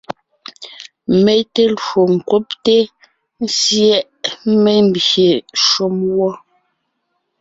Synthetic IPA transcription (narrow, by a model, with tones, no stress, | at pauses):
me˦te˦lo˨ŋ˨kwo˦pte˦ | n̩˦sjɛ˦ʔme˦m̩˨bje˨ʃo˦mwɔ˦